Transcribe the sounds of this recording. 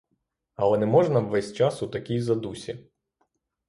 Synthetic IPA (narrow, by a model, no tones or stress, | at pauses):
ɐlˠɛnɛmɔʒnɐʋʋɛsʲt͡ʃɑsʊt̪ɐkʲijzɐd̪usʲi